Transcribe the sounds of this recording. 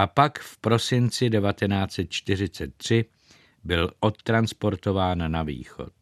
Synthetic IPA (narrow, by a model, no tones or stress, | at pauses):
ʔapakfpɾo̞sɪnt͡sɪdɛvat̪ɛnaːt͡sɛt̪̚t͡ʃt̪ɪr̝ɪt͡sɛt̪̚ːr̝̥ɪ | bɪlʔo̞t̪ːɾanspo̞ɾt̪o̞vaːnːavḭːxo̞̰t̪